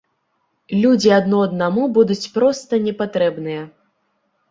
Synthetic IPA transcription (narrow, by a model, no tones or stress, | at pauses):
lʲud͡zʲiɐd̪nɔɐd̪namubud̪ut͡sʲpɾɔst̪ɐnʲɛpat̪ɾɛbnɨjɐ